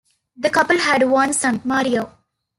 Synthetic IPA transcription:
d̪əkʌpəlɦæɖʋʌ̃nsʌ̃nmaːɾioː

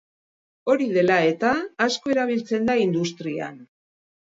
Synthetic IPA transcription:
o̞ɾiðe̞lae̞t̪aːsko̞e̞ɾaβ̞ilt͡se̞nd̪aind̪ust̪ɾia̰n

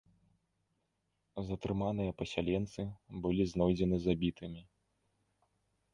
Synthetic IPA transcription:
zɐt̪ɾɨmanɨjɐpɐsʲalʲɛnt̪sɨbɨlʲiznɔjd͡zʲɛnɨzabʲit̪ɨmʲi

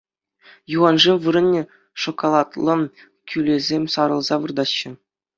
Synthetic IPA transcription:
juʁɑnʐemʋɯɾɤ̆nʲːĕ | ʂokolˠɑt̪lˠɤ̆ | kʲʰylʲezʲemʲsɑɾɤ̆lˠzɑʋɯrd̪ɑɕːə̆

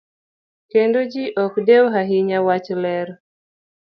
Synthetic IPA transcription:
kendod͡ʒiʔɔkdɛwɦaɦiɲawat͡ʃlɛɾ

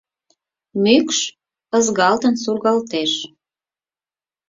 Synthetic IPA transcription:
mykʃ | əzɡɑlt̪ə̆nsurɣɑlt̪eʃ

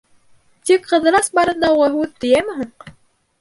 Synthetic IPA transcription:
t̪ikqɤ̆ðɤ̆ɾɑsbɑɾɤ̆nd̪ɑuʁɑɦʉðt̪ɘ̆jæmɵ̆ɦɘɴ

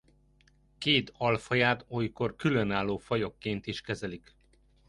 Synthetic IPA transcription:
keːt̪ɒlfɒjaːt̪ojko̞rkylønaːlːoːfɒjo̞kːeːnt̪iʃkɛzɛlik

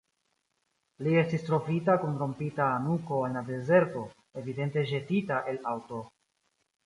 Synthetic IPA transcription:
lie̞stistɾo̞vitakunɾo̞mpitaːnuko̞alːade̞ze̞ɾto̞ | e̞vide̞nte̞ʒe̞titaʔe̞lawto

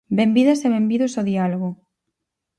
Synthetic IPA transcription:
bembiðɐseβembiðosoðialoɣ̞o

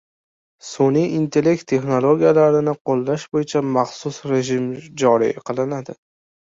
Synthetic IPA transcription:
soniint̪ʰe̞le̞k̚t̪ʰːe̞χnolˠoɡʲijalaɾɪnɪqʰolˠːaʃbojɪt͡ʃʰamɑχsʊsɾe̞ʒɪmd͡ʒɒɾḭqʰɨlˠɪnad̪ɪ

